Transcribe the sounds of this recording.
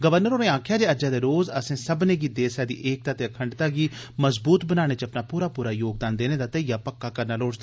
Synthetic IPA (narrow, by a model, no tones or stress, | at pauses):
ɡəʋəɾnəɾoːnẽːãːkʰjaːd͡ʒeːəd͡ʒaːd̪eːɾoːzəsẽːsəbnẽːɡiːd̪eːsɛːd̪ḭːʔeːk̚t̪aːt̪eːəkʰəɳɖt̪aːɡiːməzbuːt̪bənaːɽ̃eːt͡ʃəpnaːpuːɾaːpuːɾaːjoːɡ̚d̪aːnd̪eːneːd̪aːt̪əijaːpəkːaːkəɾnaːloːt͡ʃd̪a